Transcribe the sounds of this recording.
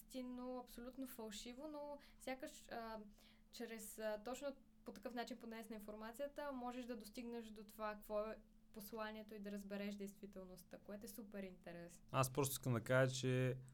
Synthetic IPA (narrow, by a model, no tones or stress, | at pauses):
st̪inːoɐpsolʲut̪nofɐlˠʃivono | fsʲjakəʃə | t͡ʃɾɛst̪ɔt͡ʃno | pot̪ɐkɤfn̪at͡ʃinponɛsnəinfoɾmat̪sijət̪əmɔʒɛʃd̪ɐd̪ost̪iɡnəʃd̪ot̪ovakkvɔɛ | poslˠaniɛt̪oid̪ɐɾəzbɛɾɛʃd̪ɛjst̪vit̪ɛlˠnost̪əkoɛt̪oɛsupɛɾint̪ɛɾɛsnaspɾɔst̪o̥skɐmd̪ɐkaʒət͡ʃɛ